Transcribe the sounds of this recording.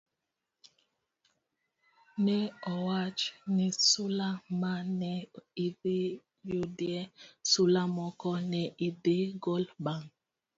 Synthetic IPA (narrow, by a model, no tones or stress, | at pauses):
nɛɔwat͡ʃnisulamanɛiði | judiɛsulamɔkɔnɛʔidiɡolbaŋ